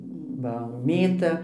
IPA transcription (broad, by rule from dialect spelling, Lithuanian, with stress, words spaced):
ˈʋɐ ˈmʲeːtɐ